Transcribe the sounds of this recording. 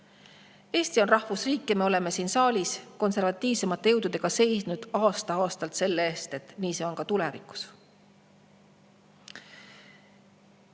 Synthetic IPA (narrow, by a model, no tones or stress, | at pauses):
eːst̪io̞nrɑhvusriːkˑːeɑme̞o̞le̞me̞siːnsɑːlʲisko̞nse̞rvɑt̪ːˑiːvse̞mɑt̪ejewd̪̥ud̪e̞ɡ̥ɑse̞jsnud̪̥ɑːst̪ɑɑːst̪ɑlt̪se̞lːeeːst̪e̞t̪ːˑniːse̞onkɑt̪ulevikːˑu̥s